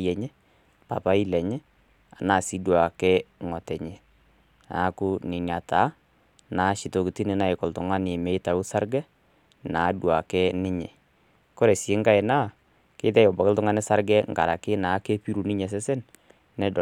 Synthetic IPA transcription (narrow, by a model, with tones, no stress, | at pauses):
jɛ˨ɲɛ˦ | pa̰˨pa˦i˦lɛ˨ɲɛ˦ | a˨naː˨si˦dwa˨kɛ˦ŋɔ˨tɛ˨ɲe˨ | a̰˨˦kʊ˦nɪ˨nja˨tʰa˨˦ | na˨˦ʃi˨to˨ki˨ti˦nɪ˨˦na˨ɪ˨kɔ˨ltʊ˨ŋa˦nɪ˨mɛ˨˦ta˨u˦sa˦ɾɡɛ˦ | na˨˦dwa˨kɛ˦nɪ˦ɲɛ˨ | kɔ˦ɾɛ˨se˦ŋɡa˦ɪ˨na˦˨ | ke˦tɛ˦jɔ˨ba˨kɪ˦ltʊ˦ŋa˦nɪ˦sa˦ɾɡɛ˦ŋɡa̰˨ɾa˨kɪ˦na˨˦kɛ˦pi˦ɾu˨nɪ˦ɲɛ˨s̬ɛ˦sɛ˦n | nɛ˦d